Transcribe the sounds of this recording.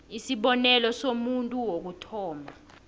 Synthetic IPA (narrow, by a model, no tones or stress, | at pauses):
isiɓɔnɛlɔsomuntʼuwok̬utʰɔːma